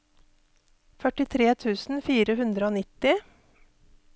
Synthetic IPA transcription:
fœʈɪt̪ʰɾeːt̪ʰʉːsn̩fiːɾəɦʉnd̪ɾəoːnɪt̪ɪ

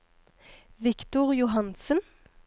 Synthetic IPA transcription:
ʋɪkt̪ʊʁjʊɦɑnsən

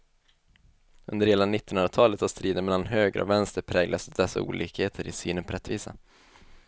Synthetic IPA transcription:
ɵnd̪əɾheːlanɪt̪ːɪnɵnɾat̪ʰɑːlət̪hast̪ɾiːd̪ənmɛlanɦøːɡɾə̰ɔ̰vɛnst̪əɾpʰɾɛːɡlasd̪ɛsːa̰ṵːlʔiːkheːt̪ʰəɾɪsy̰ːnənpʰɔɾɛt̪ːviːsa̰

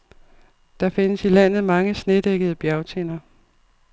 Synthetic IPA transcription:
d̥ɑ̈fe̝nəsilæn̰ð̩ˠmɑ̈ŋəsne̝d̥eɡ̥əð̞̩ˠəb̥jæʊt͡sʰe̝nɐ

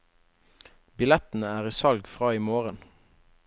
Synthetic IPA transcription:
bɪlɛt̪n̩əæːʁiːsɑlɡfʁɑːiːmoːʁən

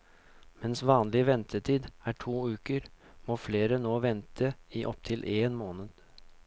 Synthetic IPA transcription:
mɛnsʋɑːnlɪʋɛnt̪ʰəʈʰiːd̪æːʈʰuːʉːkəɾ | moːfleːɾənoːʋɛnt̪ʰəiːʔɔpt̪ʰɪlʔeːnmoːnəd̪̥

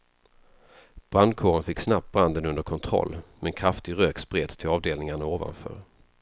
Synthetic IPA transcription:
b̥ɾand̪̚kʰoːɾənfɪkːsnap̚t̪̚bɾand̪ənɵnd̪əɾkʰɔnt̪ʰɾɔ̰lːmɛnkʰɾaft̪ɪɡɾøːkspɾeːd̪st̪ʰɪlɑːvd̪eːlnɪŋaɳaoːva̰nfœ̰ːɾ

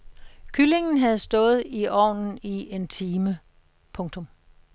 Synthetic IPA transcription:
kʰyle̝ŋn̩ɦæð̞̩ˠsd̥ɔ̽ːð̞̩ˠiʔɒ̰ːnn̩iʔe̝nt͡sʰiːmə | pʰɔ̽ŋt͡sʰɔ̽m

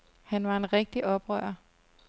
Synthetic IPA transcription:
hænʋɑ̈e̝nʁɛɡ̥̚d̥iʔɒ̽b̥ʁœ̰ːɐ

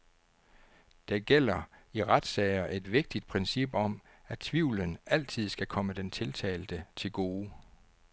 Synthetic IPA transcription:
d̥æɡ̥el̰ɐiʁad̥sɛɪɐʔe̝d̥ʋe̝ɡ̥̚d̥id̥̚pʰʁɛnsib̥ɒ̽m | æt͡sʰʋiʊ̰lənʔæl̰t͡sʰið̰ˠsɡ̥ækʰɒ̽məd̥ent͡sʰe̝lt͡sʰɛ̰ːld̥ət͡sʰe̝lɡ̥o̝ː

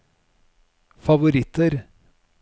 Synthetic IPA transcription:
fɑʋʊɾɪt̪əɾ

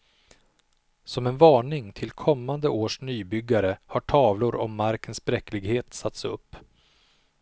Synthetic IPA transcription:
sɔmɛnvɑːɳɪŋt̪ʰɪlkʰɔmːand̪əʔoːʂnyːbʏɡːaɾəhaʈʰɑːvlʊɾɔ̰mːaɾkʰənsbɾɛklɪɡheːt̪sat̪sɵ̰pː

